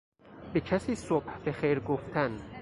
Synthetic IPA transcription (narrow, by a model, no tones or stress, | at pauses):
becʰæsiːsob̥hbexejɾɡoft̪ʰæn